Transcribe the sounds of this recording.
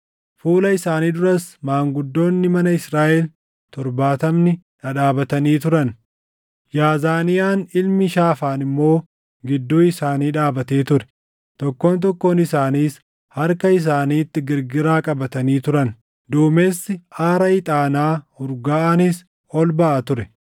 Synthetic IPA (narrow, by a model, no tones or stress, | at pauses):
fuːlɐɪsaːniːd̪ʊɾɐsmaːŋɡʊd̪ːo̞ːnːɪmɐnɐɪsɾaːʔɛl | t̪ɔɾbaːt̪ɐmnɪ | ᶑɐᶑaːbɐt̪ɐniːt̪ʊɾɐn | jaːzaːnɪjaːnɪlmɪʃaːfaːnɪmːo̞ː | ɡɪd̪ːuːɪsaːniːᶑaːbɐt̪e̞ːt̪ʊɾɛ̥ | t̪ɔkːo̞ːnt̪ɔkːo̞ːnɪsaːniːs | hɐɾkɐɪs̬aːniːt̪ːɪɡɪɾɡɪɾaːkʼɐbɐt̪ɐniːt̪ʊɾɐn | d̪uːme̞ːsːɪʔaːɾɐɪt̪ʼaːnaːʊɾɡaːʔanɪs | ɔlbɐʔɐt̪ʊɾɛ